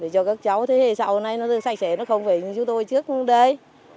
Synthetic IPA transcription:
ɗe˧˩t͡ɕɔ˧kaː˦˥k̚t͡ɕa˨˦wt̪ʰe˨˦hḛ˧˨saː˧ho˧˩na˧jnɔ˨˦t̪ɨ˧˩sa˧˩k̟̚sɛ˧˩nɔ˨˦xə˧wŋ͡mve˨˩ɲɨ˧t͡ɕu˨˦t̪o˧jt͡ɕɨ˦˥ək̚ɗə˧j

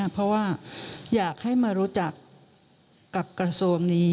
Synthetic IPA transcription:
pʰɾɔ˦˥waː˥˩jaː˨˩k̚ha˥˩jmaː˧ɾuː˦˥t͡ɕa˨˩kː | a˨˩p̚kɾa˧su˧əŋniː˦˥

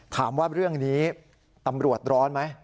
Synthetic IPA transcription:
t̪ʰaː˩˦mwaː˥˩ɾɯ˥˩əŋniː˦˥ | t̪a˧mɾu˨˩ət̪̚ɾɔː˦˥nma˦˥j

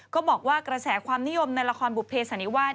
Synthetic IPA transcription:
kɔː˥˩bɔː˨˩k̚waː˥˩kɾa˧sɛː˩˦kʰwaː˧mni˦˥jo˧mna˧jla˧kʰɔː˧nbu˨˩pʰeː˧sa˨˩˦ni˦˥waː˥˩

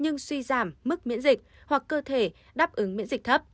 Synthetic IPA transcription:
ɲɨ˧ŋswi˧zaː˧˩mːɨ˦˥k̚mḭ˧˥ənzï˨˩k̚hwa˨˩k̚ːəː˧t̪ʰe˧˩ | ɗaː˦˥p̚ʔɨ˨˦ŋmḭ˧˥ənzï˨˩k̚t̪ʰə˦˥p̚

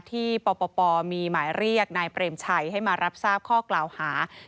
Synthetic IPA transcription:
t̪ʰiː˥˩pɔː˧pɔː˧pɔː˧miː˧maː˩˦jɾi˥˩ək̚naː˧jpɾeː˧mt͡ɕʰa˧jha˥˩jmaː˧ɾa˦˥p̚saː˥˩p̚kʰɔː˥˩klaː˨˩whaː˩˦

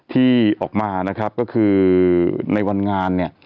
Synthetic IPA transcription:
t̪ʰiː˥˩ʔɔː˨˩k̚maː˧na˦˥kʰɾa˦˥p̚kɔ˥˩kʰɯː˧ | na˧jwa˧nŋaː˧nːi˥˩ɐ

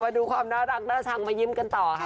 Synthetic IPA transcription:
aː˧duː˧kʰwaː˧mnaː˦˥ɾa˨˩k̚naː˦˥sʰa˨˩ŋmaː˧ji˦˥mka˧nt̪ɔː˨˩kʰa˦˥

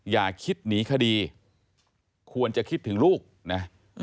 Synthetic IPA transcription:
jaː˨˩kʰːi˦˥t̪̚niː˩˦kʰa˧diː˧ | kʰu˧ənt͡ɕa˨˩kʰi˦˥t̪ʰːɯ˩˦ŋluː˥˩k̚na˦˥

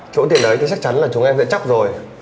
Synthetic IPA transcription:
t͡ɕo̰˧˥t̪i˨˩ənʔə˨˦jt̪ʰːt͡ɕa˦˥k̚t͡ɕa˨˦nlaː˨˩t͡ɕʊ˨˦ŋʔɛ˧mzə̰˧˨t͡ɕa˦˥k͡p̚zo˨˩j

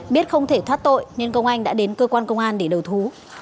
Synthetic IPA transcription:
ɓi˦˥ət̚xə˧wŋ͡mt̪ʰe˧˩t̪ʰwaː˦˥t̚t̪o̰˧˨jɲə˧nkə˧wŋ͡mʔa˧jŋ̟ɗa̰ː˧˥ɗe˨˦nkəː˧kwaː˧nkə˧wŋ͡mʔaː˧nɗe˧˩ɗə˨˩wt̪ʰu˨˦

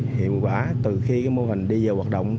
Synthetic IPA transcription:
hḭ˧˨əwkwaː˧˩t̪ɨ˨˩xi˧kaː˨˦jmo˧hï˨˩ŋ̟ɗi˧zəː˨˩whwaː˨˩t̚ɗə̰˧˨wŋ͡m

